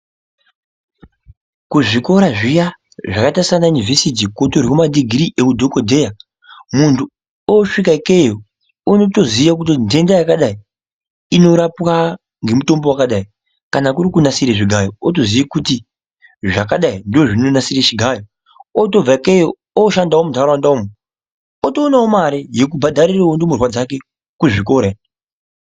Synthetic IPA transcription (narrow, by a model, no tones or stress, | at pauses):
kuʐiko̞ɾaʐija | ʐakatasanaunivesit̬ikwotoɾikumaɗiɡʱiɾiʔekudʱokodʱe̞ja | muntʰu | oʂikakejo | onotoziʋak̬ut̬inde̞ndajakaɗai | ino̞ɾapwa | ŋɡe̞muto̞mbo̞wakaɗai | kanakuɾikunasiɾeʐiɡʱajootozijakuti | ʐakaɗaindoʐino̞nasiret͡ʃiɡʱajo | oto̞b͡vaikejo | oʃandawomudʱaɾawandaomo | otoːnaomaɾejek̬ubʱadʱaɾiraondomurwad͡zake̞ | kuʐiko̞ɾe